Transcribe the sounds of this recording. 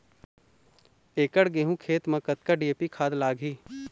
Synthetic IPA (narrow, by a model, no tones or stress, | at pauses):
eːkəɽɡeːɦũkʰeːt̪mɐ̃kət̪̚kaɖieːpikʰaːd̪laːɡʱɦiː